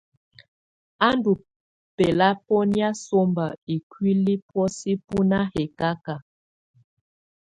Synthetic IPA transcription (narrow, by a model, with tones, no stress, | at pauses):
a˦ndu˨ | pe˨la˦pɔ˦nja˦so˦mba˨i˨kwi˦li˦pwɔ˦si˦pu˦na˦he˨ka˦ka˨